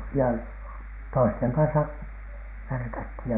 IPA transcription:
jɑ toisteŋ kɑnsɑ ʋærkæthiˑj jɑ

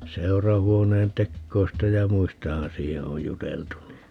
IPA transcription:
seu̞rɑhuoneːn tekːoistɑ jɑ muistɑhɑn siːhe oj juteltu ni

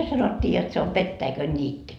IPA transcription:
se sɑnotʲːiː jot se o petːæikønnʲiːtːy

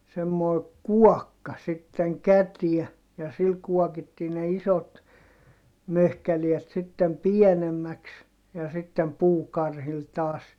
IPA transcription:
semːoi̯ kuɔkːɑ sitːeŋ kætiɛ jɑ sil kuɔkitːiː ne isot møhkæliɛt sitːem pienemːæks jɑ sitːem puːkɑrhil tɑːs

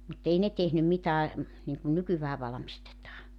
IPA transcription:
mut ei ne tehnym mitæː niŋkun nykyʋæː ʋɑlɑ̆mistetɑː

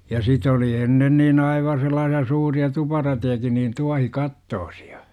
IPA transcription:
jɑ sit oli enːen niːn ɑiʋɑ selˑɑːsiɑ suːriɑ tupɑrɑtejɑkin niːn tuɑhikɑtːoːsi̥ɑ̥

